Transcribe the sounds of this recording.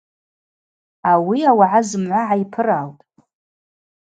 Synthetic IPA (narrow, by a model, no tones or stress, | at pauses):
awiawaʕazɨmʕʷaʕaipʰɨraːltʼ